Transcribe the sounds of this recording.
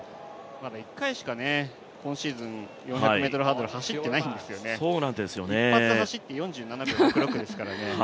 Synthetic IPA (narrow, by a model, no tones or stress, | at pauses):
mad̪aikːaiɕi̥kane̞ | kʰõɰ̃ɕiːzɨ̃ŋjõçaɯmet̪oɾo̟ɦãnd̪oɾɯ̟haɕit̪ːe̞naiñnd̪e̞sɨjo̞nesoːnãnt̪ed̪esɨjo̞niepːat͡sɨhaɕit̪ːejõ̞ɲ̟d͡ʑɨːnanakɯokɯɾokɯ̟d̪e̞sɨ̥kaɾane̞